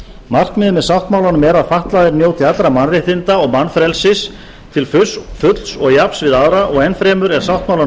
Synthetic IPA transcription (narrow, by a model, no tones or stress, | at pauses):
mar̥kmɪːðʏmɛðsawht̪mawlanʏmɛɾaðfaht̪laðɪɾnjoːwt̪ʰɪlat̪ɾamanrɪht̪ɪnt̪aɔɣmanːfɾɛlsɪs | t̪ʰɪlfʏsfʏt̪lsɔɣjapsvɪðaðɾaʔɔɣɛnfɾɛːmʏɾɛɾ̥sawht̪̚maːwla